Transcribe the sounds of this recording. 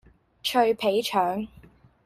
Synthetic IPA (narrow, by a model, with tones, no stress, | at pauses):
t͡ʃʰɵ˧ɥpʰe˨˥jt͡ʃʰœː˨˥ŋ